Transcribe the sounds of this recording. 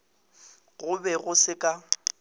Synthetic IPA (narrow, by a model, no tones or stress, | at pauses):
ɣʊbɛɣʊsɪkʼa